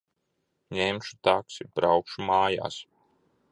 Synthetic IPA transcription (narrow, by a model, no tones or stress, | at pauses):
ɲemʃu̥t̪aksibɾawkʃumaːja̰ːs